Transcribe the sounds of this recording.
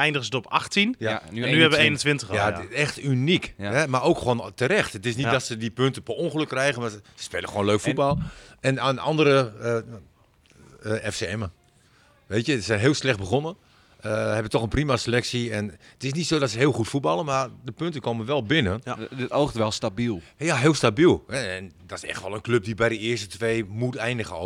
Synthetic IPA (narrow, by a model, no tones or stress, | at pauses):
ɛjndəɣəzətɔpa̰xtinnyɛʋəeːnəntʋɪntəjaɛxtynikhɛmarowkxəʋoːntəɾɛxtətɪsnitdɔtsədipøntəpəonχəløkːrɛjɣənmaəsə̥speːləxʋoːnløːkfubɔlˠɛnanɑ̰ndəɾəə | ɛfseɛmə | ʋeːtjədəsɛjnɦɪːlˠslɛxt̚bəɣonə | əhɛbətɔxənprimaselɛksiɛnətɪs̬nitsoːdɔtsəɦɪːlˠxutfut̚bɑlˠənmardəpøntəkʰoːmənʋɛlˠbɪnənətoxtəʋɛlˠstabilˠjaɦɪːlˠstabilˠhɛɛndɔtɪsɛ̰xtʋɔlˠənkløp̚dibɛjdəɪərstətʋeːmutɛjndəɣəo